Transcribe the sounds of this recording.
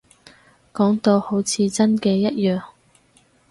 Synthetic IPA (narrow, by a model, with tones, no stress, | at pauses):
kɔː˨˥ŋt̪o˧ho˨˥wt͡sʰiː˧t͡sɐ˥nkɛː˧jɐ˥t̚jœː˨ŋ